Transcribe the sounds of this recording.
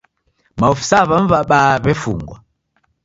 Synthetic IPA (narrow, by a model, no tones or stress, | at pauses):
maɔfi̥saβaɱ̩vaɓaːβɛfṵŋɡwa